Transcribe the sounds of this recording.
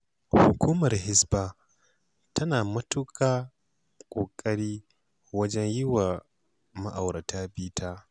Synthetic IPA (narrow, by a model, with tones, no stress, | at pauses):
hʊ˨kʰʷuː˦mɐ˨rhɪ˦sbaː˦ | tʰɐ˦naː˨mɐ˦tʊ˦kʰaː˦ | kʷʼoː˨kʼɐ˦ɽiː˦ | wɐ˦d͡ʒɛ˦ɲjɪ˦wa˨ | mɐ˦ʔa˨wɾɐ˨tʰaː˦biː˦tʰaː˦